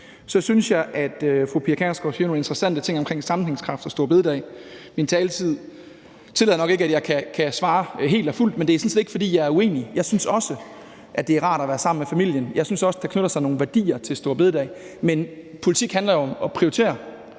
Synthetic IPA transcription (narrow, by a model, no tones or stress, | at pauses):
sɒ̽synsjɑ̈ɪʔæd̥fʁupʰiɐkʰæsɡ̥ɒhynonend̥ʁɐsæn̰d̥ət͡sʰe̝ŋɒ̽mkʰʁeŋsɑ̈mn̩heŋskʰʁɑ̈fd̥ɒ̽sd̥o̝ɐbe̝ð̞ˠd̥ɛɪmint͡sʰɛːlət͡sʰið̞̰ˠ | t͡sʰe̝lɛðˠnɒɡ̥e̝ɡəæd̥jɑ̈ɪkʰækʰæsʋɑ̈ːɦe̝̰ːld̥ɒful̰d̥mend̥e̝æsɔn̩sed̥e̝ɡ̥fɒ̽d̥ḭːjɑ̈ɪæɐue̝̰ːnijɑ̈ɪsynsɒ̽sə | ʔæd̥e̝æɐʁɑ̰̈ːɾ̥ɒʋæːɐsɑ̈m̰n̩mefæmil̰jənjɑ̈ɪsynsɒ̽səd̥ɑ̈kʰnøɾ̥ɐsɑ̈ɪno̝ːn̩ʋæɐd̥ḭːɐt͡sʰe̝lsd̥o̝ɐbe̝ð̞ˠd̥ɛ̰ɪ | menpʰo̝lit͡sʰiɡ̥hændlɐjoɒ̽mɒ̽pʰʁiot͡sʰe̝̰ːɐ